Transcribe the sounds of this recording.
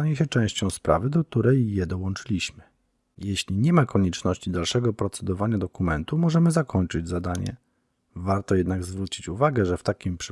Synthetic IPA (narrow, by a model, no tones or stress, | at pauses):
aɲɛɕɛt͡ʂɛ̃w̃ɕt͡ɕɔ̃w̃spɾʔa̰vɘd̪ɔk̚t̪uɾɛjːɛd̪ɔwɔ̃nt͡ʂɘlʲiɕmɘ | jeɕlʲiɲɛmakɔɲɛt͡ʂnɔɕt͡ɕid̪alʂɛɡɔpɾɔt̪sɛd̪ɔvaɲad̪ɔkumɛnt̪umɔʐɛmɘzakʰɔɲt͡ʂɘd͡ʑzad̪aɲɛ̰ | vaɾt̪ɔjɛd̪naɡzvɾut͡ɕit͡ɕuvaɡɛʐɛft̪akʲimpʂ